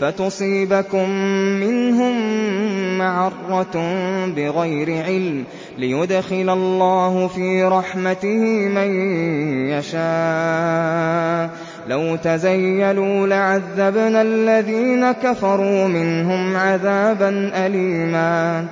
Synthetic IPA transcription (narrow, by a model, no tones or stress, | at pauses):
fat̪ʊsˤiːbakʊmːɪnɦʊmː | aʕɑrˤːɑt̪bɪɣajɾɪʕɪlm | lɪjʊd̪xɪlalːɑːhʊfiːɾˤɑħmat̪ɪhɪmajjaʃaː | lawt̪azajːaluːlɪʕaðːabnalːaðiːnakafɑɾˤuːmɪnɦʊmʕaðaːbanʔaliːmaː